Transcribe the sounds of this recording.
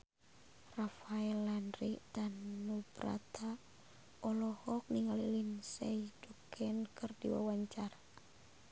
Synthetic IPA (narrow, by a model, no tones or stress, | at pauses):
rafaɛlːanɾiʔdanːubɾa̰t̪ʰa | ɔlɔhɔk̚niŋalilinsɛidukʰɛnkɨrdiwa̰waɲt͡ʃaɾa